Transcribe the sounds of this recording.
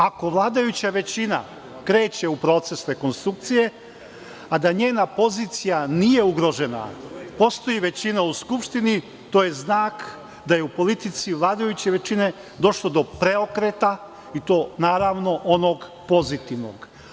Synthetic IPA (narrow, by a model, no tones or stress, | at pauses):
ako̞ʋlˠaːd̪ajut͡ɕaʋe̞t͡ɕina̰ | kɾe̞ːt͡ɕe̞upɾo̞ːt̪se̞sɾe̞ko̞nst̪ɾuk̚t̪sije̞ | ad̪aɲe̞ːnapo̞ziːt̪sijanije̞uɡɾo̞ʒe̞na̰po̞st̪o̞jiʋe̞t͡ɕinauskupʃt̪ini | t̪o̞ːjeznaːk | d̪aje̞upo̞lit̪it̪siʋlˠaːd̪ajut͡ɕe̞ʋe̞t͡ɕine̞ | d̪o̞ʃlˠod̪o̞pɾe̞okɾet̪a | it̪o̞ːnaːɾaʋno̞ʔo̞noɡ | po̞zit̪iʋno̞̰ɡ